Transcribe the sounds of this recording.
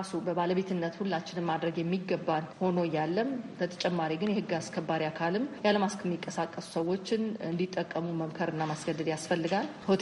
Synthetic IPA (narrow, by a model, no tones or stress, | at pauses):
asubəβaləβe̞t̪ʰɨnːət̪hulːat͡ʃːɪnɨmad̪ɾəɡjɛmːiɡːəbːanho̞no̞jalːəmt̪ʰət̪ʰə̥t͡ʃʼɛmːaɾiɡɨnjɛhɨɡːaskʰəbːaɾiakʰalɨmjaləmaskʰɛmːikʼːəsakʼːəsu̥səwːo̞t͡ʃːɪnɨnd̪it̪ʼːəkʼːəmuməmkʰəɾɨnːamasɡəd̪ːɨd̪jasfəlːɨɡalhot̪